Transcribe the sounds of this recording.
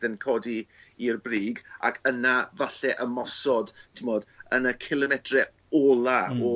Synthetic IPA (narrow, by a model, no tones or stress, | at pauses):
ðənkʰɔdiirbriːɡa̰kʰənavaɬɛʔəmɔsɔdtʰɪmɔd̥ənəkʰɪlˠəmɛtʰrɛ | ɔːlˠaɔ